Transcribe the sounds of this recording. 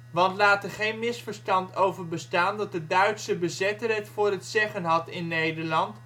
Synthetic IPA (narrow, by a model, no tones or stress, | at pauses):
ʋɑntlaːtəχejnmɪsfəɹstɑntʰowvəɹbəstaːndɑt̚dədœɥtsəbəzɛtrɛtfʊːrətsɛχənɦɑtɪnːejdəɹlɑnt